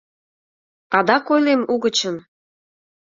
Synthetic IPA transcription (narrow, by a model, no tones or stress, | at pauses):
ɑd̪ɑkojlemuɣə̆t͡ɕə̆n